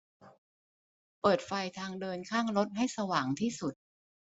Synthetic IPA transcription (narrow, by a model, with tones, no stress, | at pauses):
pɤː˨˩t̪̚fa˧jt̪ʰaː˧ŋdɤː˧nkʰaː˥˩ŋɾo˦˥t̪̚ɦa˥˩jsa˧waː˩˦ŋt̪ʰiː˥˩su˨˩t̪̚